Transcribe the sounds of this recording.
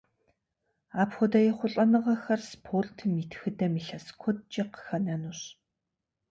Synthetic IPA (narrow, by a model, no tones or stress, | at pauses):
aːpxʊdɐjɛχʷʊɬʼɐnɨʁɐxɐrspʰortʰmitʰxɨdɐmiɬɐskʷʰɔt̚t͡ʃʼɐqə̥xɐnænuɕ